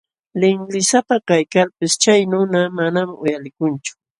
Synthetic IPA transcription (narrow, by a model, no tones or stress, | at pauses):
lɪŋlɪsapakajkalpɪst͡ʃajnʊnamanamʊ̰jalɪkʊnt͡ʃʊ̥